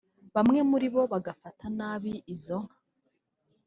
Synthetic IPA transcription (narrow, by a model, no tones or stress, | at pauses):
βamŋe̞muɾiβo̞βaɡafatanaːβiːzo̞ŋ̥hḁ